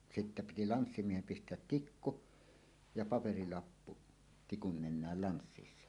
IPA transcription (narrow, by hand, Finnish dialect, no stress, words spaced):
sitːæ piti lɑnsːimiehem pistˑeæt tikːu jɑ pɑperilɑpːu tikun nenˑæːl lɑnsːisːɑ